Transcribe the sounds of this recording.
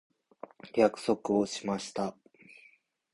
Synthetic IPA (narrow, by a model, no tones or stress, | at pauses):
jakɯ̟̥so̞kɯ̟o̞ɕimaɕi̥t̪a